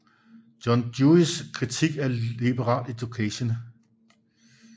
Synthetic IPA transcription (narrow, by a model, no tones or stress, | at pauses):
d̥jɒnd̥juiskʰʁit͡sʰiɡ̥æɐib̥əʁɑ̈ːled̥okʰɛɕən